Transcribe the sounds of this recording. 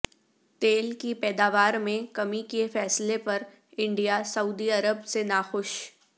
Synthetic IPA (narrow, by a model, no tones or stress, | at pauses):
t̪eːlkipɛːd̪aːʋaːɾmẽkɐmikefɛːslepɐɾ | ɪ̃ɳɖijasɐuːd̪iɐɾəbsenaːxʊʃ